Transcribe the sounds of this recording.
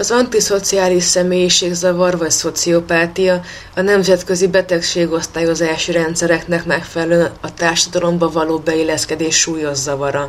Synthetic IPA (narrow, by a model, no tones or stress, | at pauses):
ɒzɒnt̪iso̞t̪siaːliʃsɛmeːjiʃeːɡzɒvɒrvɒcso̞t̪sio̞paːt̪ijɒ | ɒnɛmzɛt̪kø̞zibɛt̪ɛkʃeːɡo̞st̪aːjo̞zaːʃiɾɛnt̪sɛɾɛknɛkmɛkfɛlɛlønɒt̪aːrʃɒd̪ɒlo̞mbɒvɒloːbɛilːɛskɛd̪eːʃːuːjo̞ʒzɒvɒɾɒ